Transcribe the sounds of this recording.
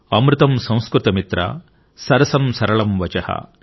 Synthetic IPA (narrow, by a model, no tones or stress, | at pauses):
ɐmɾɪt̪ɐmsɐ̃w̃skɾɪt̪ɐmit̪ɾɐ̰ | sɐɾɐsɐmsɐɾɐɭɐmʋɐt͡ʃɐhɐ̰